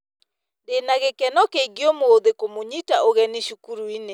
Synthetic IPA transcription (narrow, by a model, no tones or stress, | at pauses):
denaɣekɛnɔkeiɡiɔmooðekomoɲitaoɣɛneʃukuɾuine